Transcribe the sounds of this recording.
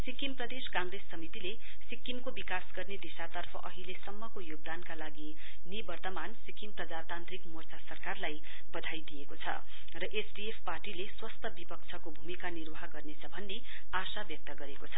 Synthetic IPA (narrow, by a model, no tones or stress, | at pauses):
sikimprʌd̪eskãŋɡresːʌmit̪ile | sikːimkobikasɡʌrned̪isat̪ʌrpʰʌ̰ʔʌɦilesʌmːʌkojoɡ̚d̪ankalaɡi | nibʌrt̪ʌmansikimprʌd͡zat̪ant̪rikmort͡sʰasʌrkarlaj | bʌd̪ʱajd̪ijekot͡sʰʌ̰ | rʌʔesɖiepʰparʈileswʌst̪ʰʌbipʌk̚t͡sʰʌkobʱumikanirwʌɦʌɡʌrnet͡sʰʌbʱʌnːe | asabjʌk̚t̪ʌɡʌɾekot͡sʰʌ